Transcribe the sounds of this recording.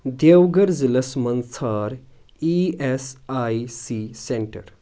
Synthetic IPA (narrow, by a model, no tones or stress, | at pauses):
d̪ewɡəɾd͡ziləsmənt͡sʰaɾ | iesajsisẽɳʈəɾ